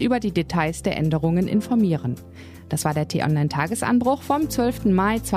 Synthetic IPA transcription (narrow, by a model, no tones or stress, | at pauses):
ʔyːbɐdiːdetʰaɪsd̥eːɐʔɛndəʁ̞ʊŋənʔɪ̰nfɔɐmiːʁən | d̥asv̥aːɐdeːɐtʰeʔɔ̰nlaɪntʰaːɡəsʔa̰nbʁʊχfɔmt͡sv̥œlftn̩maɪt͡sv̥a